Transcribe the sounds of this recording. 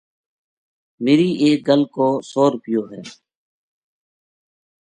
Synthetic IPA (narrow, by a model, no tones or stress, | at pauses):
meːɾiːʔeːk̚ɡəlkoːsoːɾʊpɪjoːɦɛː